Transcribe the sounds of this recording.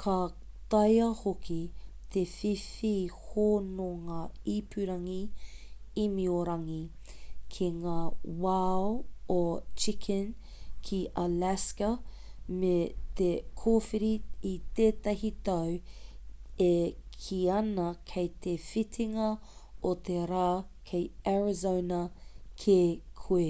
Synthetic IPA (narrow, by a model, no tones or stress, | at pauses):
kʰɐ | t̪ɐjɐhokit̪ʰefifihoːnoŋaipʰʉɾɐŋi | imioɾɐŋi | kʰiŋaːwaoot͡ʃikʰən | kʰiʔɐlæskɐ | met̪ekʰoːfiɾiit̪eːt̪ɐɦit̪ɐw | ekʰiɐnɐkʰɐjt̪ʰefitʰiŋɐ | ot̪ʰeɾaː | kʰejaɹizownɐkʰekʰue